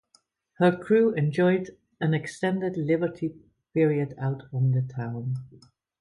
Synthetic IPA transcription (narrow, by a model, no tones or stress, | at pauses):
hə˞kʰɹ̥uːɛ̃nd͡ʒɔɪd | ɨ̃nɨkstɛ̃ndɨdlɪbə˞tʰi | pɪɹiɨdaʊtn̩ðətʰãʊ̃n